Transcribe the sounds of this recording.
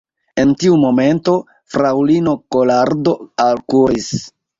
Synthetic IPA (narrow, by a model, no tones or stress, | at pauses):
e̞ntiumo̞me̞nto̞ | fɾawlino̞ko̞laɾdo̞alkuɾis